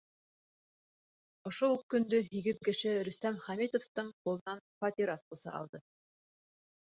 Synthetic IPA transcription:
ŏʃoʉkːɵ̆nd̪ɵɦiɡɘðkɘ̆ʃɘɾɵ̆st̪æmχæmit̪ŏft̪ɤɴqulˠɤ̆nɑnfɐt̪ʲiɾask̪ə̆sɤ̰ʔɑ̰lˠd̪ɤ

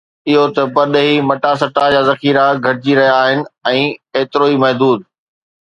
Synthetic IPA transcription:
ɪɦot̪ɐpɐɾɗɦimɐʈasɐʈad͡ʑaːzɐxiːɾaɡʱɐɾɪd͡ʑiɾɐɦijaːɦɪnɪ̆ɛ̃ːeːt̪ɪɾoːimɐɦd̪uːd̪̚

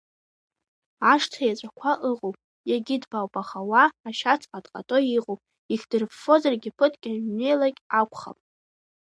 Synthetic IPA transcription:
aʂtʰajat͡ʃʷʼakʷʰaʔɨʁʼowpʼ | jaɡʲidbawbʼaχawaːʃat͡sʰʼqʼadʼqʼa̰tʼoiqʼowpʼ | ikʲʰd̥ɨrpfo̞zarɡʲɪpʰɨtʰʼkʲʼae̞jlakʲʼakʷʰʼχa̰pʼ

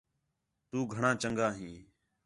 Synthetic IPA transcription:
t̪uːɡʱəɳãːt͡ʃəŋɡaːɦĩː

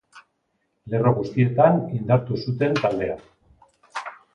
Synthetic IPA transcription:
le̞ro̞ɣust̪ie̞t̪anind̪aɾt̪usut̪e̞nt̪ald̪e̞a̰

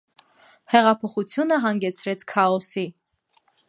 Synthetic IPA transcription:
hɛʁɑpʰɔχut͡sʰjunəɦɑŋɡɛt͡sʰɾɛt͡sʰkʰɑɔsi

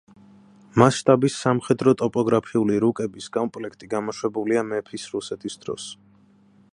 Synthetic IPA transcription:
masʃt̪ʼabisːamχɛd̪ɾɔt̪ʼɔpʼɔɡɾapʰiuliɾukʼɛbiskʼɔmpʼlɛkʰt̪ʼiɡamɔʃwɛbuliamɛpʰisɾusɛt̪ʰisd̪̥ɾɔ̰s

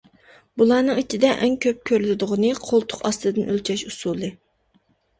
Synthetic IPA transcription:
bulˠɑːnɨŋit͡ʃʰid̪ɛʔɛŋkʲʰøp̚kʲʰøɾlɪd̪ʊʁʊnɨqʰolˠt̪ʰʊ̥qɑst̪ɨd̪ɨnʔølt͡ʃʰɛʃusulˠɨ

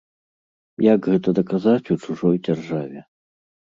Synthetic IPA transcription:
jakɣɛt̪ɐd̪ɐkazat͡sʲut͡ʂuʐɔjd͡zʲarʐavʲɛ

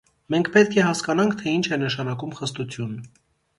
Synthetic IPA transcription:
mɛŋkʰpɛt̪kʰɛhɑskɑnɑŋkʰt̪ʰɛint͡ʃʰɛnəʃɑnɑkumχəst̪ut͡sʰjun

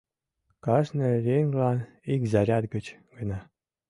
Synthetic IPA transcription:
kɑʃnɤ̆ɾʲeŋɡlɑn | ikzɑɾʲɑt̪ɡə̆t͡ɕɡɤnɑ

